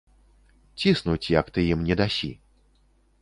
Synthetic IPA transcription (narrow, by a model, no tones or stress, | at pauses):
t͡sʲisnut͡sʲjɐkt̪ɨjimnʲɛd̪asʲḭ